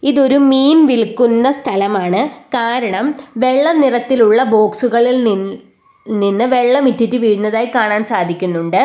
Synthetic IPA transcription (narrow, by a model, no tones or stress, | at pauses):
iðo̞ɾumiːnʋilkːunːɐst̪ʰɐlɐmaːɳɨkaːɾɐɳɐmʋe̞ɭːɐnirɐt̪ːiluɭːɐbo̞ːksuɣɐɭil | ninːɨʋe̞ɭːɐmitːitːɨʋiːɻunːɐðaːjikaːɳaːnsaːd̪ʱikʲːunːuɳɖɨ